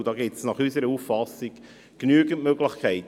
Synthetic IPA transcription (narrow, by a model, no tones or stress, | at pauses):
d̥ɑːɡɪtsnɑχysəɾəuffɑsik | knyəɡəntmøɡlɪχkʰɛɪt